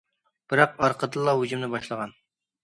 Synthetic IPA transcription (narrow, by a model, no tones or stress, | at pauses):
b̥ɪɾɑqɑɾqʰəd̪ɨlˠːɑɦud͡ʒymnɪbɑʃlˠəʁɑn